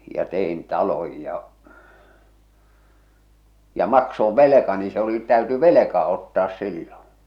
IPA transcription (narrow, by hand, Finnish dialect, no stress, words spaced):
jɑ tein tɑloj jɑ jɑ mɑksoʋ ʋelekɑni se oli tæyty ʋelekɑ otːɑːs silːõː